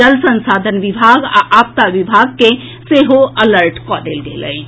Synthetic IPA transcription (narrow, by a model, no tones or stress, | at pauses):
əlsə̃nsaːd̪ʱənʋɪbʱaɡa̰ʔap̚t̪aʋibʱaɡ̚ke | seɦoələɾʈkɔd̪elɡḛlə̰j